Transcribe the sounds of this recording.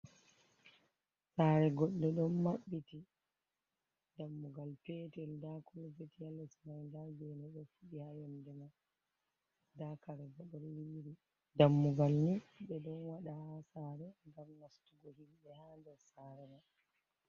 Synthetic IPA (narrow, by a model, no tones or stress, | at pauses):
saɾɛɡɔɗːɛɗɔnmaɓːiti | damːuɡalpɛtɛldakɔlvetialːɛsmajndaɡɛnɛɗɔfuɗihajɛndɛman | dakaɾɛɡɔɗɔɾwiɾi | damːuɡalniɓɛɗɔnwaɗahasaːɾɛŋɡamnastuɡɔhimɓɛhandɛɾsaɾɛman